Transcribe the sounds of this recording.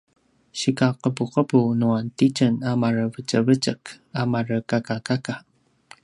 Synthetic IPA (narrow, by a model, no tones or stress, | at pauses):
ɕikaqəpuqəbunuantit͡ʃənamaɾəvət͡ʃəvət͡ʃək | amarəkakakaka